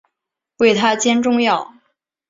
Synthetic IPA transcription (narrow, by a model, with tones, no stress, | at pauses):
we˥˩ɪt̪ʰa˥t͡ɕjɛ˥nʈ͡ʂʊ˥˧ŋjɑ˥˩ʊ